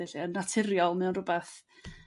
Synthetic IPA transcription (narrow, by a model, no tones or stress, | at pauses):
ɛɬiənːatʰɪɾjɔlˠmɛwnrʊbɛθ